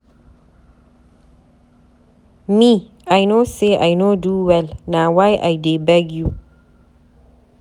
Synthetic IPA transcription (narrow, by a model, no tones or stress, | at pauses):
mi | ajnoseʔajnoduwɛlnawajʔa̰jdebaɡu